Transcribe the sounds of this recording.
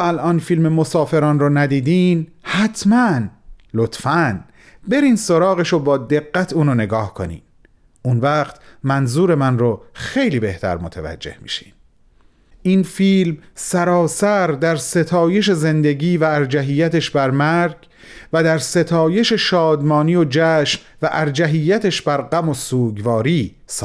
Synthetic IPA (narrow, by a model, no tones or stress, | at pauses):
ælʔɒːnfiːlmemo̞sɒːfe̞ɾɒːnrɔːnæd̪iːd̪iːnhæt̪ʰmænlot̪ʰfæn | be̞ɾiːnso̞ɾɒːɣe̞ʃobɒːd̪e̞ɣːæt̪ʰuːnone̞ɡɒːhkʰo̰nḭːn | ʔunvæːqt̪mænzuːɾe̞mænroxe̞jliːbe̞ht̪ʰæ̰ɾmot̪ʰevæ̰d͡ʒːe̞̰hmḭːʃi̥̰ːn | ʔinfiːlmsæɾɒːsæɾd̪æɾse̞t̪ʰɒːje̞ʃ̬e̞ze̞nd̪e̞ɡiːvæːɾd͡ʒæɦiːjːæt̪eʃbæɾmæɾɡ | væd̪æɾse̞t̪ʰɒːje̞ʃe̞ʃɒːd̪mɒːnijod͡ʒæːʃm | væʔæɾd͡ʒæɦijːæt̪ʰeʃbæɾɢæmo̞suːɡvɒːɾiː | sː